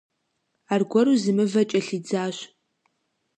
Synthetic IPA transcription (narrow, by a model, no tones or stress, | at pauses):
aːrɡʷɔɾuzɨmɨvɐt͡ʃʼɐɬid͡zaːɕ